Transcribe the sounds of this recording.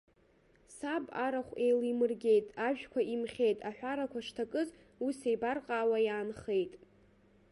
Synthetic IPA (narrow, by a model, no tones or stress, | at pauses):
sabaɾaχʷejlimɨrɡʲe̞jtʼaʒᶣkʷʰaimχʲe̞jtʼaħᶣʷaɾakʷʰaʂtʰakʼɨz | usejbarqʼaːwajaːnχe̞jtʼ